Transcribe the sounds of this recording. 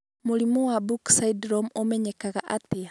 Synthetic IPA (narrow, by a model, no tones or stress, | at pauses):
muɾimɔwabuksaidɾɔmomɛɲɛkaɣaʔate